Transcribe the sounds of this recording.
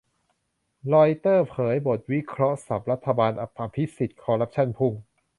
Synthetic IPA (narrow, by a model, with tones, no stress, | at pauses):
lɔː˧jt̪ɤː˥˩pʰɤː˩˦jbo˨˩t̪̚wi˦˥kʰɾɔ˦˥sa˨˩p̚ɾa˦˥t̪ʰːa˧baː˧nʔa˨˩pʰːaː˧pʰi˦˥si˨˩t̪̚kʰɔː˧ɾa˦˥p̚t͡ɕʰa˥˩npʰu˥˩ŋ